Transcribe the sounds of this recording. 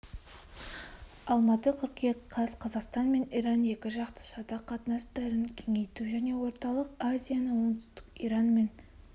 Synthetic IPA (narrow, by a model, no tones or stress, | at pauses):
ɑlˠmɑt̪əkʲʰʏɾkʲeqʰɑzqʰɑzɑqst̪ɑnme̞nijɾɑnje̞kʲɪʒɑqt̪ə̥ʃɑd̪ɑqʰɑt̪nɑsd̪æɾɪnkʲʰe̞ŋe̞jt̪uʒæne̞wo̞ɾt̪ɑlˠəqazʲijanəwo̞nd̪ʏst̪ɪ̥qijɾɑnme̞n